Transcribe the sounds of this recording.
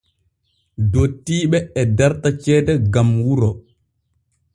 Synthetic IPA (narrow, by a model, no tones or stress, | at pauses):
dotːiːɓɛɛdaɾtat͡ʃɛːdɛɡamwuɾɔ